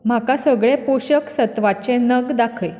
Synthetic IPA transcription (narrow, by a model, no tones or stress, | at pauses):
m̤akasəɡɭẽpoɕəksət̪ʋat͡ɕenəɡd̪akʰəj